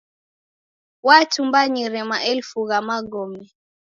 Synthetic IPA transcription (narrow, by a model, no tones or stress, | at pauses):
watumbaɲiɾɛmaʔɛlfuɣamaɡɔmɛ